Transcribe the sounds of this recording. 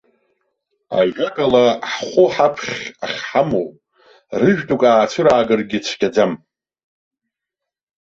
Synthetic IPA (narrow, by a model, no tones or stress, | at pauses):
a̰ʒʲʷᶣakʼalaħχʷʊħapʰχʲaχʲħamowʼ | rɨʒᶣtʼukʼaːt͡ʃʷʰɨɾaːɡɨrɡʲit͡ʃʷʰɡʲʼad͡zam